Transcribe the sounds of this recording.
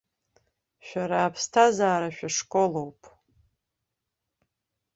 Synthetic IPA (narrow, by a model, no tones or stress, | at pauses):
ʃᶣaɾaːpʰstʰazaːɾaʃᶣaʂkʼolowpʼ